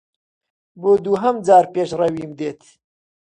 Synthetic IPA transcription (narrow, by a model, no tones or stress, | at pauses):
boːd̪uːɦɐmd͡zaːɾpeːʃrɐwiːmd̪eːt̪ʰ